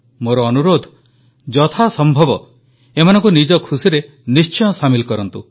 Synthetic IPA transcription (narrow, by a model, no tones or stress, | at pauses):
moɾɔːnuɾod̪ʱ | d͡ʒɔt̪ʰasɔmbʱɔbɔ | emanɔ̃ŋkunid͡ʒɔkʰusiɾe | nist͡ʃɔjɔsamilkɔɾɔnt̪ṵ